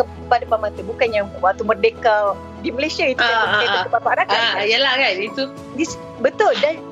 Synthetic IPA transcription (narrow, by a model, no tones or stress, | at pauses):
ə | padapamat̪əbukanjaŋwat̪umərdeka | diməlajsiait̪ukalaaaəpabaɾakanijalahkait̪u | dis | bət̪ʊldan